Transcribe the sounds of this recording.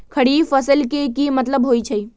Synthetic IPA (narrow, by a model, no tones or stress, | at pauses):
kʰɐɽiːfɐsəlkekimɐt̪ləbɦoːit͡ʃʰɐiː